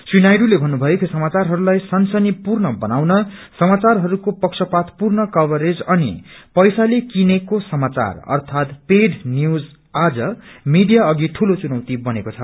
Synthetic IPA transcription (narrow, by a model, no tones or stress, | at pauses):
swinajɖulebʱʌnːubʱʌjekʰisʌmat͡sarɦʌɾulajsʌnsʌnipurnʌbʌnawnʌsʌmat͡sarɦʌɾukopʌksʰʌpat̪purnʌkʌbʌɾed͡zʌnipʌjsalekinekosʌmat͡sa̰rʌ̰rt̪ʰat̪peɖnjud͡z | ad͡zʌmiɖijaʌɡiʈʰulot͡sunʌwt̪ibʌnekot͡sʰʌ